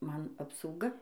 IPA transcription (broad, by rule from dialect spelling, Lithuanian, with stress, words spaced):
ˈmɐn ɐpsɐʊˈɡɐ